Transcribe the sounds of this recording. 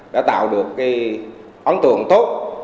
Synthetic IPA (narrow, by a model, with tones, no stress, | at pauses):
ɗa̰˧˥t̪a̰ː˧˨wɗɨ˨˩əkːaː˨˦j | ʔɔ˨˦nt̪ɨ̰˧˨əŋt̪o˦˥t̚